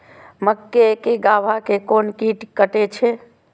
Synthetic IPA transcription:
məkːekeɡabʱakekonkiʈkəʈet͡ʃʰe

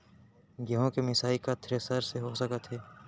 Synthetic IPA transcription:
ɡɐɦõkemɪsaːikat̪ʰɾesəɾseɦosəkət̪ɦɛː

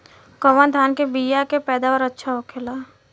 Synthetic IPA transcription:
kɔʋənd̪ʱjaːnkebijakepɛːd̪aʋəɾɐtːʃʰaokʰelaː

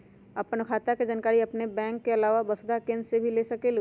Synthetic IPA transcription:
ɐpnkʰaːt̪aked͡ʒankaːɾiɐpnebɛ̃ːŋkːeɐlaːʋabɐsd̪akẽːnssebʱileːsɐkel

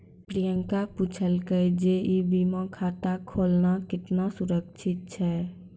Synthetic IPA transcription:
pɾijəŋkaput͡ʃʰəlkəjd͡ʒeʔibimãkʰat̪akʰolnakɪt̪nasuɾək̚t͡ʃʰɪt̪̚t͡ʃʰɛ

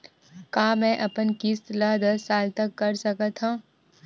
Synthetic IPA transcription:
kaːmɛ̃ʔɐpənkiːst̪lad̪ɐsːaːlt̪ɐkːɐɾsɐkət̪ʰɦãː

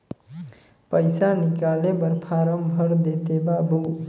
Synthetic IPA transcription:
pəjsanikalebəɾpʰaɾəmbʱəɾd̪et̪ebabʱu

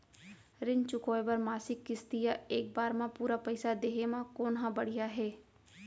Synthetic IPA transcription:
ɾɪnt͡ʃʊkoːebəɾmaːsɪkːɪst̪ijaeːk̚baːɾmãpuːɾapɐɪsad̪eːɦemãkoːnɦãbɐɽ̤ijaɦɛː

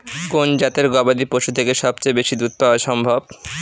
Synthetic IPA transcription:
kond͡ʑat̪eɾɡɔbad̪ipoʃut̪ʰekeʃɔbt͡ɕejbeʃid̪ɾut̪̚paaʃɔmbʱob

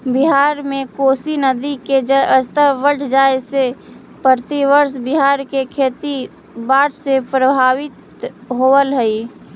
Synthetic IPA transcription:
biɦaːɾmẽkoːsinəd̪iked͡ʒəst̪əʋəʈʰd͡ʒaːese | pəɾt̪iʋəɾsbiɦaːɾkekʰeːt̪i | baːʈʰsepɾəbʱaːʋɪt̪ | ɦoəlɦəi

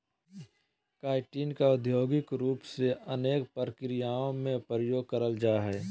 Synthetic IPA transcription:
kaːɪʈiːnkaʊd̪ʱjoːɡɪkɾuːpseʔəneːkpɾəkɾɪjaːõmẽpɾəjoːɡ̚kəɾəld͡ʒaːɦɛː

